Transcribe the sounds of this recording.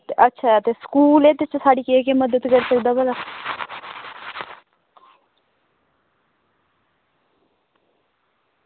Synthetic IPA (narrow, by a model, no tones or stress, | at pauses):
ətːʃʰaːt̪eːskuːleːd̪ɪt͡ʃsaːɖiːkekeməd̪əd̪kəɾsəkd̪aːbəlaː